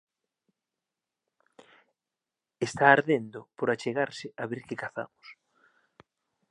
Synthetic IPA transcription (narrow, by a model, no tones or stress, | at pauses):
est̪aːɾðend̪ʊpoɾat͡ʃeɣaɾsɪʔaβeɾkɪkaθa̰mʊs